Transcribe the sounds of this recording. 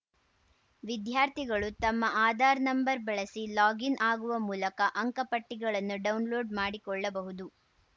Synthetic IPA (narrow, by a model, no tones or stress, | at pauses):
ʋid̪jaːɾt̪ʰiɡɐɭut̪ɐmːɐʔaːd̪ʱaːɾnɐmbɐɾbɛɭɐsilaːɡinaːɡuʋɐmuːlɐkɐʔɐŋkɐpɐʈːiɡɐɭɐnːuɖɐwunloːɖmaːɽikɔɭːɐbɐɦud̪u